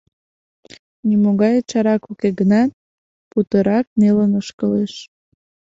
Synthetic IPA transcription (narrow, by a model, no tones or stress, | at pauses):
nimoɣɑjət͡ɕɑɾɑkukeɡənɑt̪̚ | put̪əɾɑk̚nelənəʃkəleʃ